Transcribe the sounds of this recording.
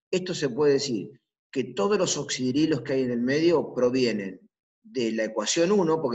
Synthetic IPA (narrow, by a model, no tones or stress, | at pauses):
est̪ose̞pweðeesiɾ | ket̪o̞ð̞ozlo̞soksiðiɾilo̞skeajene̞lme̞ð̞jo̞pɾo̞βje̞ne̞n | d̪elaekwasjo̞nunopoɾk